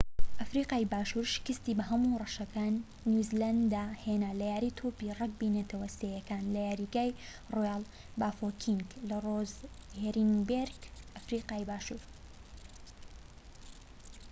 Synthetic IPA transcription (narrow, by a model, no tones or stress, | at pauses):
ʔɐfɾiqaːjbaːʃuːɾʃkɨst̪iːbɐɦɐmurˤɐʃɐkaːnː | juziland̪aheːnalɐjaːɾit̪ʰoːpirˤɐk̚binɐt̪ʰɐwɐst̪ejɐkaːnlɐjaːɾiɡaːj | rojaːl | baːfokʰiŋɡlɐrozheɾiŋbeɾɡʔɐfɾiːqaːjbaːʃuːɾ